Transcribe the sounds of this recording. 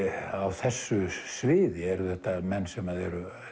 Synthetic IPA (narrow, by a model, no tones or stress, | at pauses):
awθɛsːʏsvɪːðɪɛɾθɛht̪amɛnːsɛmaðɛɾʏ